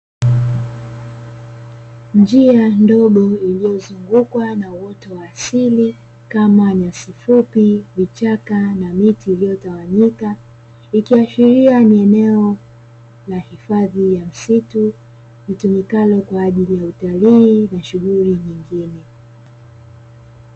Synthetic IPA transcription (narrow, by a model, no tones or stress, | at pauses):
nd͡ʒiandɔɠɔilijɔzuŋɡukwanawɔtɔwaːsili | kamaɲasifupivit͡ʃakanamitiːlijɔtawaɲika | ikiaʃiɾianiɛnɛɔ | lahifaðijam̩situ | vitumikalɔkwaːʄilijautaliːnaʃuɣuɾiɲiŋɡinɛ